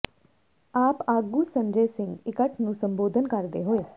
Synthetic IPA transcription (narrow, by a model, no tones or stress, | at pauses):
aːpaːɡuːsə̃ɲd͡ʒeːsɪ̃ŋɡɪkəʈʰnũːsə̃mboːd̪ʱənkəɾd̪eɦoːeː